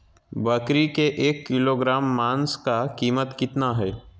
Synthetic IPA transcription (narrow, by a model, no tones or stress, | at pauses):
bɐkɾikeʔeːkːɪloːɡɾaːmːaːnskakiːmət̪kɪt̪naɦɛː